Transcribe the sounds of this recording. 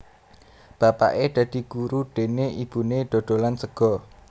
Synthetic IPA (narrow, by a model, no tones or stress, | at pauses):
b̥ä̤pa̰ʔed̪̥ä̤d̪̥i̤ɡ̥uɾud̥e̤neib̥ṳned̥o̤ɖ̪̥o̤lansəɡ̥ɔ̤